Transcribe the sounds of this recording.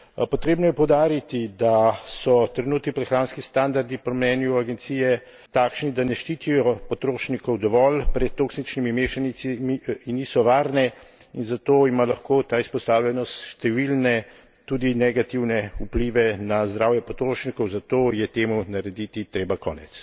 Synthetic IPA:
pɔt̪ɾeːbnɔjɛpɔwd̪aːɾit̪id̪asɔt̪ɾɛnuːt̪nipɾɛxɾaːnskist̪and̪aɾd̪ipɔmnɛːnjuaɡɛnt̪siːjɛ | t̪aːkʃnid̪anɛʃt͡ʃiːt̪ijɔpɔt̪ɾoːʃnikɔwd̪ɔʋɔlpɾɛt̪̚tːoːksit͡ʃnimimeːʃanisimiinːiːsɔʋaːɾnɛ | inzat̪oːimalaxkoːt̪aːispɔst̪aːwlʲjɛnɔst̪ʃt̪ɛʋilnɛ | t̪uːd̪inɛɡat̪iwnɛupliːʋɛnazd̪ɾaːwjɛpɔt̪ɾoːʃnikɔwzat̪oːjɛt̪eːmunaɾɛd̪it̪it̪ɾeːbakɔ̰ːnɛ̰t̪s

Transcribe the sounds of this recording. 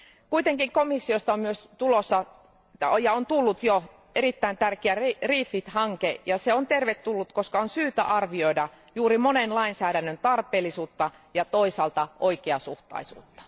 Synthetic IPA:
kuit̪eŋkiŋkomisːiost̪ɑommyøst̪ulosːɑ | jɑont̪ulːut̪jo | eɾit̪ːæint̪ærkeærriːfːit̪hɑŋkejɑseont̪erʋet̪ːulːut̪koskɑonsyːt̪æʔɑrʋioidɑ | juːɾimonenlɑinsæːɾænːønt̪ɑrpˑeːlːisuːt̪ːɑ | jɑt̪oisɑlt̪ɑʔoikeɑsuht̪ɑ̰isṵːt̪ːɑ̥

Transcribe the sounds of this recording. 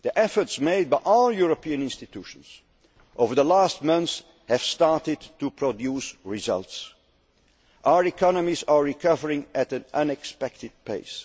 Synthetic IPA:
ðiʔɛfə˞tsmeɪd̚baɪʔɔlˠjuɹəpiɨ̃nɪ̃nstɨtʰuʃə̃nz̥ | ʔoʊvə˞ðəlæst̚mʌ̃nθs | hɨv̥stɑɹtɪdtʰupʰɹ̥odjusɹɪzʌ̰lˠts | ʔaʊə˞ikʰɑnəmizə˞ɹikʰʌvəɹɪ̃ŋɨɾɨ̃nʔʌ̃nɛkspɛk̚tɨd̚pʰḛɪs

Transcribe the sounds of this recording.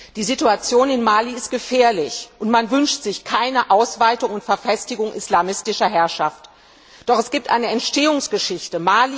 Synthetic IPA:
d̥iːzituat͡sjoːnɪnmaːliɪst̚ɡ̥əfɛːɐlɪçʔʊntmanvʏnʃtz̥ɪçkʰaɪnəʔaʊsv̥aɪtʊŋʊntfɛɐfɛstɪɡʊŋʔḭslaːmɪstɪʃɐɦɛɐʃaft | d̥ɔχɛsɡ̥iːp̚tʔa̰ɪnəɛntʃteːʊŋsɡ̥əʃɪçtəmaːli

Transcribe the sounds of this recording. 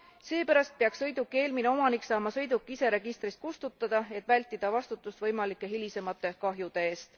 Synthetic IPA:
se̞ːpæɾɑst̪̚peɑkssɤ̞jd̪ukːe̞ːlmine̞o̞mɑnikːsɑːmɑsɤ̞jd̪ukːˑise̞ɾe̞ɡ̥ist̪ɾist̪kust̪ut̪ˑːɑd̪̥ɑe̞t̪ːˑvælʲt̪ːˑid̪̥ɑvɑst̪ut̪ːˑust̪vɤjmɑlikːˑe̞ɦilise̞mɑt̪ːe̞kɑɦjud̪̥e̞eːst̪

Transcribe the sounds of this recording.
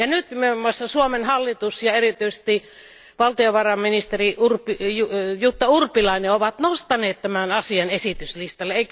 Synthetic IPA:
jɑnyt̪imeomːuɑsːɑsuomenhɑlːit̪usjɑerit̪yise̥st̪i | ʋɑlt̪ioʋɑrɑmminist̪eriurpijujut̪ːɑurpilɑineoʋɑt̪nost̪ɑneːt̪t̪æmænɑsiɑnesit̪yslist̪ɑlːeeˑik

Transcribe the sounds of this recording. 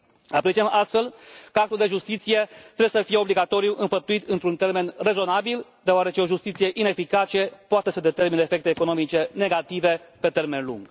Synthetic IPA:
apɾet͡ʃiemʔast̪fe̞lkəak̚t̪uld̪e̞ʒust̪it̪sije̞t̪ɾewjesəfije̞o̞bliɡat̪o̞ɾijuʔɨnfəp̚t̪uit̪ɨnt̪ɾunt̪e̞rme̞nre̞zo̞nabild̪eoaɾe̞t͡ʃe̞o̞ʒust̪it̪sije̞ʔine̞fikat͡ʃe̞poat̪e̞səd̪e̞t̪e̞rmineefe̞k̚t̪eːko̞no̞mit͡ʃe̞ne̞ɡat̪ive̞pe̞t̪e̞rme̞nlṵŋɡ̥

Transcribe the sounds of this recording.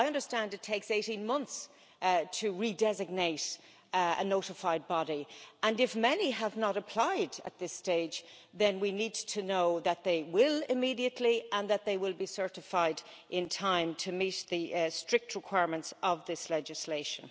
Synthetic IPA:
aɪʌ̃ndə˞stæ̃ndɨtʰeɪkseɪɾĩnmʌ̃nθs | tʰɨɹidɛzɨɡ̚neɪɾ | ə̰noʊɾɨfaɪd̚bɑɾiə̃nɨfmɛniəvnəɾəpʰl̥aɪdə̰t̪̚ðɪsteɪd͡ʒ | ðɨ̃nwinid̚tʰɨnoʊðət̪̚ðeɪwɪlɪmiɾiɨtʰˡliə̃nðət̪̚ðeɪwɪlˠbisɜ˞ɾɨfaɪd | ʔɪ̃ntʰãɪ̃mtʰɨmit̪̚ðɨstɹ̥ɪk̚t̚ʰɹɪkʰw̥aɪɹmə̃ntsʌvðɪslɛd͡ʒɨsleɪʃə̃n

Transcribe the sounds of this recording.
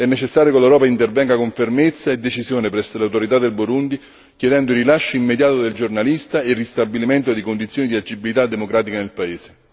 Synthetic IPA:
ɛnːet͡ʃesːaːɾjokelewɾɔːpaint̪ervɛŋɡakoɱfermet̪sːaed̪ːet͡ʃisjoːnepɾɛsːolawt̪oɾit̪ad̪ːelboɾund̪i | kjed̪ɛnd̪oirilaʃːoimːed̪jaːt̪od̪eld͡ʒornalist̪aerːist̪abiliment̪od̪ikond̪it̪sjoːnid̪iad͡ʒibilit̪ad̪ːemokɾaːt̪ikanelpaeːse̥

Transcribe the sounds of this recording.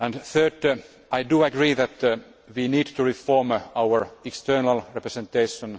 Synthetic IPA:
æ̃ndθøːd | ʔajduːæɡɹiːðæt̪ | ʋiːniːdt̪ʰuɹifoɹmawəɹɛkst̪ɜːnalɹɛpɾəsɛ̃nt̪eɪʃə̃n

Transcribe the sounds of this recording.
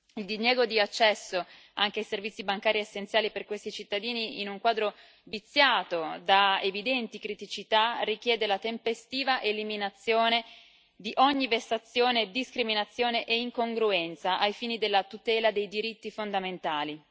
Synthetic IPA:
ild̪injɛːɡod̪iat͡ʃːɛsːo | aŋk̟eajservit̪sːibaŋkaːɾiesːent̪sjaːliperkwest̪it͡ʃit̪ːad̪iːniinuŋkwaːd̪ɾo | vit̪sːjaːt̪od̪aevid̪ɛnt̪ikɾit̪it͡ʃit̪arik̟jɛːd̪elat̪empest̪iːvaʔeliminat̪sːjoːne | d̪iʔɔɲːivesːat̪sːjoːned̪iskɾiminat̪sːjoːneʔeiŋkoŋɡɾuɛnt̪saʔajfiːnid̪elːat̪ut̪ɛːlad̪ejd̪iɾit̪ːifond̪ament̪aːli

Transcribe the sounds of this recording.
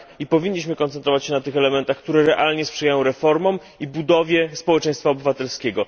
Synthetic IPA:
ipɔvʲiɲʲːiɕmɘkɔnt̪ɛnt̪ɾɔvat͡ɕɕɛnat̪ɘxɛlɛmɛnt̪axk̚t̪uɾɛɾɛʔalɲɛspʂɛjajɔ̃w̃ɾɛfɔɾmɔm | ibud̪ɔvʲjɛspɔwɛt͡ʂɛ̃j̃st̪faɔbɘvat̪ɛlskʲɛɡɔ

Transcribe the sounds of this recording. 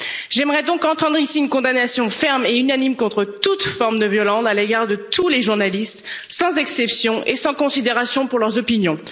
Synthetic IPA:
ʒɛmʁɛd̪ɔ̃kɑ̃t̪ɑ̃d̪ʁisiynkɔ̃d̪anasjɔ̃fɛʁmeynanimkɔ̃t̪χət̪ut̪fɔʁmd̪əvjɔlɑ̃saleɡaʁd̪ət̪ʰuleʒuʁnalist̪sɑ̃zɛksɛpsjɔ̃ʔesɑ̃kɔ̃sid̪eʁasjɔ̃puʁlœʁzɔpinjɔ̃

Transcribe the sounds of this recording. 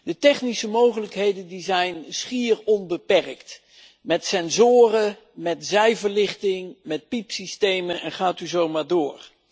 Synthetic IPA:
dətɛχnisəmowχələkɦejdəndizɛjnsχiːrɔnbəpɛrkt | mɛtsɛnzʊːrə | mɛtzɛjvəɹlɪχtɪŋmɛt̚pipsistejmənɛnχaːtyzowmaːɹdʊːɹ

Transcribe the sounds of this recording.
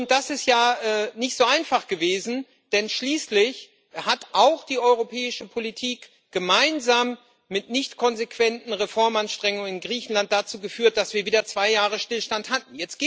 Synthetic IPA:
ʊnt̚d̥asɪstjaːʔɛːnɪçtz̥oːaɪnfaχɡ̥əveːzn̩ | d̥ɛnʃliːslɪç | hatʔaʊxd̥iːʔɔʏʁopʰɛːɪʃəpʰolitʰiːk | ɡ̥əmaɪnzaːmː | ɪtnɪçtkʰɔnzekv̥ɛntn̩ʁefɔɐmanʃtʁ̥ɛŋʊŋənɪnɡʁiːçn̩lant̚d̥at͡suːɡəfyːɐt̚d̥asv̥iːɐviːdɐt͡sv̥aɪjaːʁ̞əʃtɪlʃtanthat̚n̩jɛt͡stɡ̥eː

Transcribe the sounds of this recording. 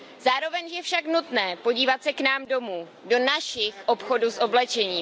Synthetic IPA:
zaːɾo̞vɛɲʒjɛfʃaknut̪nɛːpo̞ɟiːvat̪sɛknaːmdo̞muː | do̞naʃɪxʔo̞pxo̞dusʔoblɛt͡ʃɛɲiː

